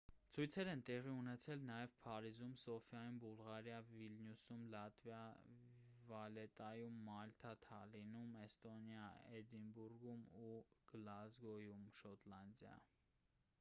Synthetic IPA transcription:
t͡sʰujt͡sʰɛɾɛnt̪ɛʁiunɛt͡sʰɛlnɑjɛvpʰɑɾizumsɔfjɑjumbulʁɑɾjɑvilnjusumlɑt̪vjɑ | vɑlɛt̪ɑjumːɑlt̪ʰɑt̪ʰɑlinumɛst̪ɔnjɑɛd̪inbuɾɡumuɡ̥lɑzɡɔjumʃɔt̪lɑnd̪jɑ̰

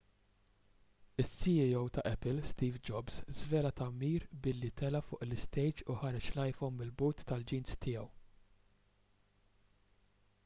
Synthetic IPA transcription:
ɪsːiiɔwt̪ɐʔɛpɪlst̪iːvd͡ʒɔbzzvɛːlɐt̪ɐmiːɾbɪlːit̪ɛlɐfʊːʔlɪst̪ɛjd͡ʒuħɐɾɛt͡ʃlɐjfɔnmɪlbuːt̪ːɐld͡ʒiːnst̪ʰɪjɐw

